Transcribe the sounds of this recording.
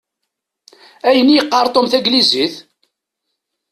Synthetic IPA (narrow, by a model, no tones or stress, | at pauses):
æjənːijəqːɑɾˤt̪ˤomθæɡliziθ